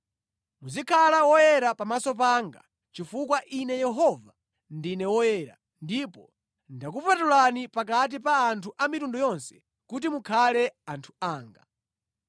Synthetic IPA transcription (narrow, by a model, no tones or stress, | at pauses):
muzikʰalawɔjɛɾapamasɔp̬aŋɡa̰ | t͡ʃifukwaʔinɛjɛɦɔva | ndinɛwɔjɛːɾa | ndipɔ | ndakupatulanipakat̬ipaːntʰuʔamitundɔjɔnsɛ̥ | kut̬imukʰalɛantʰu̥aːŋɡa̰